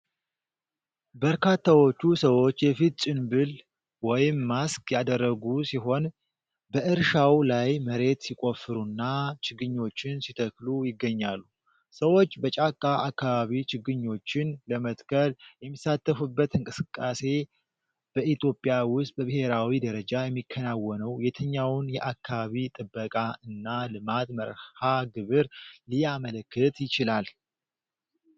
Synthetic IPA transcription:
bəɾkat̪ʰːawo̞t͡ʃːusəwo̞t͡ʃːjɛfit̪̚t͡ʃʼɪnbɨl | wɔjɪmːaskjad̪ərːəɡusiɦo̞n | bəʔɨɾʃawlajməɾe̞t̪sikʼo̞fɨɾunːat͡ʃɪɡɨɲːo̞t͡ʃːɪnsit̪ʰəklujɪɡːəɲːalːu | səwo̞t͡ʃːbət͡ʃʼakʼːaʔakːaβaβit͡ʃɪɡɨɲːo̞t͡ʃːɪnləmət̪kʰəljɛmːisat̪ːəfubːət̪ɨŋkʼɨsɨkʼːase̞ | b̥əʔit̪ʰjo̞pʼjawʊst̪̚ʼbəβɨheɾawid̪əɾəd͡ʒajɛmːikʰːənawːɔnəwjɛt̪ʰəɲːawnjɛʔakːaβaβit̪ʼɨbːəkʼaɨnːalɨmat̪mə̰ɾhaɡɨβɨɾlijamələkːɨt̪jɪt͡ʃɪlal

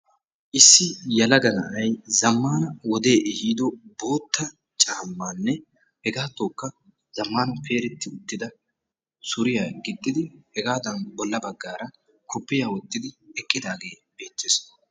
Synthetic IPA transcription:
ʔɪsːɪjɐlɐɡɐnɐʔɐjzɐmːaːnɐwɔd̪e̞ːʔɪhiːd̪ɔbo̞ːt̪ːɐ | t͡ʃʼaːmːaːnːɛ | hɛɡaːt̪ːoːkːɐ | z̥ɐmːaːnɐpʰe̞ːɾɛt̪ːɪʊt̪ːɪd̪ɐ | sʊɾɪjaːɡɪd̪ʼːɪd̪ɪhɛɡaːd̪ɐnbɔlːɐbɐɡːaːɾɐ | kʰɔpːɪjaːwɔt̪ːɪd̪ɪɛkʼːɪd̪aːɡe̞ː | be̞ːt̪ːes

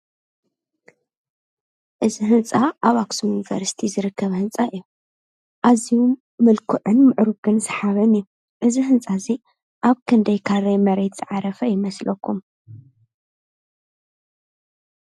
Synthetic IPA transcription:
ʔɨziɦɨnt͡sʼaʔaβaksujunivɐ̰ɾsi̥t̪ʰizɨɾɨkːɐβhɨnt͡sʼaʔɨjːu | ʔazijuː | ɨlkʰuʕɨnmɨʕɾuɡɨnzɨħaβɐnɨju | ʔɨzihɨnt͡sʼazi | ʔaβkʰɨnd̪ɐjkʰaɾɐjmɐɾet̪z̥ɨʕaɾɐfɐjɪmɐslɐkːum

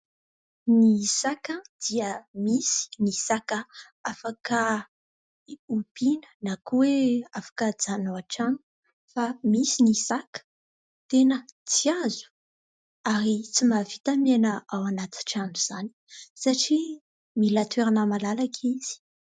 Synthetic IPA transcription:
nisakəd̪̥iəmisi̥nisakə | afakə | ub̥inə̥nakuweafḁkəd͡zanoaʈ͡ʂanu̥ | famisinisakə̥ | t̪enət͡siazu̥ | aɾit͡simavit̪amenəawanat̪i̥ʈ͡ʂanuz̥ani̥saʈ͡ʂi | milat̪ʰeɾanamalalakʰiz̥i̥

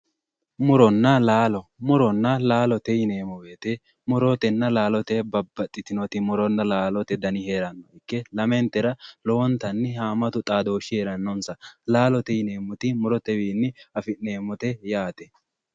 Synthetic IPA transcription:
mʊɾɔnːɐlaːlɔmʊɾɔnːɐlaːlɔt̪ɛjɪneːmɔbeːt̪ɛ | mʊɾɔt̪ɛnːɐlaːlɔt̪ɛbɐbːɐt̪ʼːɪt̪ɪnɔt̪ɪmʊɾɔnːɐlaːlɔt̪ɛd̪ɐnɪheːɾɐnːɔɪkːɛlɐmɛnt̪ːɛɾɐlɔwɔnt̪ɐnːɪhaːmɐt̪ʊt̪ʼaːd̪oːʃɪheːɾɐnːɔnsɐlaːlɔt̪ɛjɪne̞ːmʊt̪ɪmʊɾɔt̪ɛwiːnːɪɐfɪne̞ːmɔt̪ɛjaːt̪ɛ

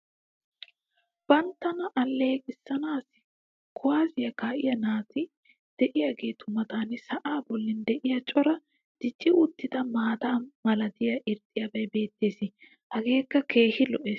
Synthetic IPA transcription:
b̥ɐnt̪ːɐnɐʔɐlːeːkʼɪsːɐnaːsɪ | kʰɔwaːzɪjɐkaːʔɪjɐnaːt̪ɪ | d̪̥ɛʔɪjaɡe̞ːt̪ʊmɐt̪aːnɪsɐʔaːbɔlːɪnd̪ɛʔɪjɐt͡ʃʼɔɾɐ | d̪̥ɪt͡ʃːɪʊt̪ːɪd̪ɐmaːd̪aːmɐlɐd̪ɪjɐʔɪɾt̪ʼːɪjɐbɐjbe̞ːt̪ːe̞ːsɪ | hɐɡe̞ːkːɐkʰe̞ːhɪlɔʔe̞ːs

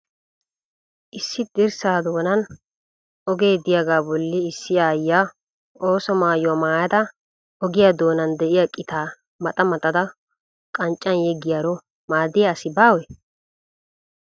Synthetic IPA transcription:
ʔɪsːɪd̪ɪɾsaːd̪oːnɐn | ɔɡeːd̪ɪjaɡaːbɔlːɪɪsːɪaːjːaː | oːsɔmaːjʊwɐmaːjɐd̪ɐ | ɔɡɪjad̪o̞ːnɐnd̪ɛʔɪjakʼːɪt̪aː | mɐt̪ʼɐmɐt̪ʼɐd̪ɐ | kʼɐnt͡ʃʼːɐnjɛɡɪjaɾɔ | maːd̪ɪjaːsɪbaːwɛ

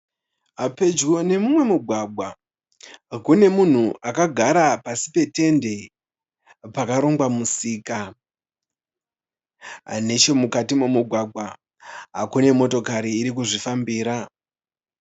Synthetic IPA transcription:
ape̞d͡ʒwone̞mumwe̞muɡʱwaɡʱwa | kune̞mun̤uʔakaɡʱaɾapasi̥pe̞te̞nde̞ | pakaɾo̞ŋɡwamusiːka | ɦa̰ne̞t͡ʃo̞mukatimumuɡʱwaɡʱwa | ɦa̰kune̞mo̞to̞kaɾiːɾik̬uʐifambiːɾa

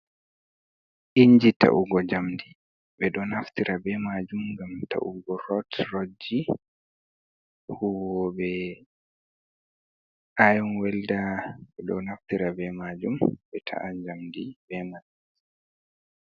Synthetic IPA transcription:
ʔiɲd͡ʒita̰ʔuɡɔd͡ʒamdi | bɛɗɔnaftiɾʔabɛmad͡ʒumɡamta̰ʔuɡɔɾɔtɾod͡ʒːi | huwɔbɛ | ʔajɔnwɛldaɓɛɗɔ̰naftiɾabɛmad͡ʒumbɛtʰa̰ʔad͡ʒamdibɛmad͡ʒu

